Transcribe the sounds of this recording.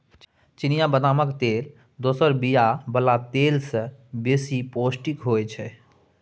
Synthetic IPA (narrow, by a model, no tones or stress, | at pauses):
t͡ʃinijabəd̪aməkt̪el | d̪osəɾbijabəlat̪elsə̃besiposʈikɦojt͡ʃʰɛ